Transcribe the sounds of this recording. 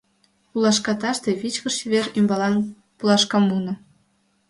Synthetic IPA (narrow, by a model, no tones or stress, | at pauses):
ulɑʃkɑt̪ɑʃt̪eβit͡ɕkə̆ʃiβerymbɑlɑn | pulɑʃkɑmunɤ̆